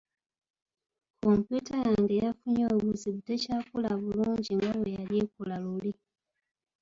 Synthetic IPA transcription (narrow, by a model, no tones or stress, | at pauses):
kʰompjutajaːŋɡejafuɲoβuziβutecaːkulaβuluːɲɟiŋɡaβojaljekulaluli